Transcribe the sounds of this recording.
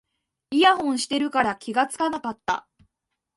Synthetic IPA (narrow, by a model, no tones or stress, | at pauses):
iaɦõ̞ɰ̃ɕi̥t̪e̞ɾɯ̟kaɾakʲʰiɡat͡sɨ̥kanakat̪ːa̰